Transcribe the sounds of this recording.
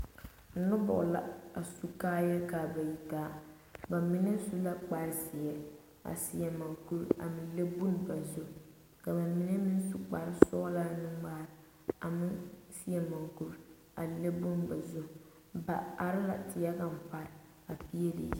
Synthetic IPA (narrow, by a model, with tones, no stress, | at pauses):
n̩˨˦nʊ˦bʊ̰˨ʔla̰˨a˨su˦kaː˦jɛ˦lkaː˨ba˨ji˨taː˦ | ba˨mi˦nɛ˦su˦la˦k͡pa˨ɾsɪ˨ɛ˨ | a̰˨si˨˦ɛ˨ma˨ŋku˦ɾa̰˨mɪ˦n˦le˦bu˦n˦ba˨zʊ˦ | ka˨ba˨mi˦nɛ˦mɪ˦n˦su˨k͡pa˨ɾɪ˦sɔː˦la˦nɪ˦ŋ͡maː˦ɾ | a˨mɪ˦si˦jɛ˦ma˨ŋku˦ɾ | a˨le˦bu˦nba˨zʊ˦ | ba˨a˨ɾɪ˦la̰˨tɪ˨ja˦ɡa˦m̩˨pa˨ɾɪ˨ | a˨pi˦ɛ˦lḭ˨ji˦